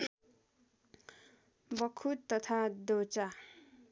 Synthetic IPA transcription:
bʌkʰut̪ːʌt̪ʰad̪ot͡sa

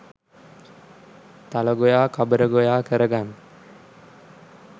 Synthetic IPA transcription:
t̪aləɡojaːkʰabəɾəɡojaːkəɾəɡan

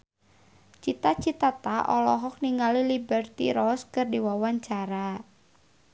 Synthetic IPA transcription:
t͡ʃit̪at͡ʃit̪at̪aʔɔlɔɦɔk̚niŋalilibɛrt̪ḭɾɔskɨrdiwawaɲt͡ʃaɾa

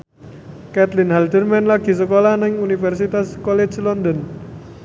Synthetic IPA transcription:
kɛt̪lɪnhald̪ərmanlaɡ̥i̤s̬əkolanɪŋunifɛrsit̪askɔle̥d͡ʒlɔnd̪ɔn

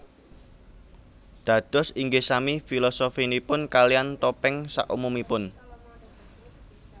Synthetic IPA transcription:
d̪̥ä̤d̪̥ɔ̤siŋɡesamifilɔsofinipʊnkaliant̪ɔpɪŋsa̰ʔṵmumipʊn

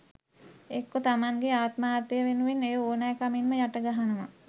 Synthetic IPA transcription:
ekːot̪amaŋɡeaːt̪maːt̪əjəʋenuʋinːejooːnajəkaminməjaʈəɡaɦanəʋa̰

